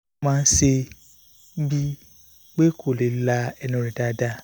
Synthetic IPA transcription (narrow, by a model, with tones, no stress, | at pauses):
mãː˧n̩˦ʃe˧ | bi˦ | k͡pe˦kʰo˨le˨˦la˧ɛ˧nũ˧˦ɾĩ˨da˧˦da˦